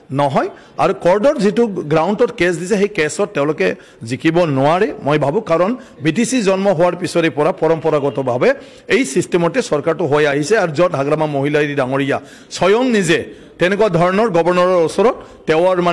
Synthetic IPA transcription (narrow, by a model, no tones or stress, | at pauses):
nɔɦɔj | a̰ɹukɔɹdɔtzituɡɹaʊntɔtkes̬disɛxejkesɔtːɛ̃ʊ̃lʊkɛ | zikʰibɔnʊwaɹɛmojbʱabʊ̃kaɹɔn | bitisizɔnmɔɦʊwaɹpisɔɾipɔɹapɔɹɔmpɔɹaɡɔtɔbʱabɛ | ejsistɛmɔtɛsɔɹkaɹtʊɦojaɦisɛaɹuzɔt̚ɦaɡɹamamoɦilaɾidaŋoɹija | sɔjɔŋnizɛ | tɛnɛkuwadʱɔɹɔnɔɹɡɔbɔɹnɔɹɔɹosɔɹɔtːɛʊaɹma